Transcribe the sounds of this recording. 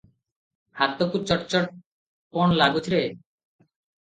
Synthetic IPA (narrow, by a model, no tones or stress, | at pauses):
hat̪okut͡ʃɔʈt͡ʃɔʈ̚ | pɔɳlaɡut͡ʃʰɾe